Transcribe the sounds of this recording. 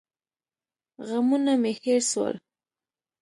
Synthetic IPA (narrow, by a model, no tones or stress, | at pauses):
ɣamunameheɾswa̰l